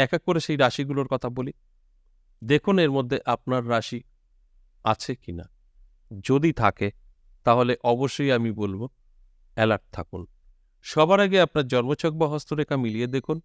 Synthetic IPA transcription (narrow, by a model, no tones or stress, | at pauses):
ɛkakkːoɾeʃejɾaʃiɡuloɾkɔt̪ʰaboli | d̪ekʰuneɾmod̪ʱːeʔap̚naɾːaʃi | a̰t͡ɕʰekina̰ | d͡ʑod̪it̪ʰake | t̪aɦoleʔɔboʃːojamibolbo | ɛlaʈ̚t̪ʰakun | ʃɔbaɾaɡeapnaɾd͡ʑɔnmot͡ɕʰok̚baɦost̪oɾekamilied̪ekʰun